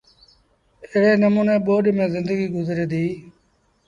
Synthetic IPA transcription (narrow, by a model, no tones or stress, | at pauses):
eɦɽeːnəmuːneːɓoːɗmẽːzɪnd̪əɡiːɡʊzɾeːd̪iː